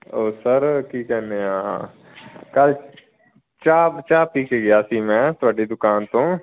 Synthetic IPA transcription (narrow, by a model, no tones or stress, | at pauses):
oːsəɾkiːkɛːnd̪eːɦãːɦã̰ː | kəl | t͡ʃaːpt͡ʃaːpʈiːkeːɡɪaːsiːmɛ̃ːt̪ʊaːɖiːd̪ʊkaːnt̪õː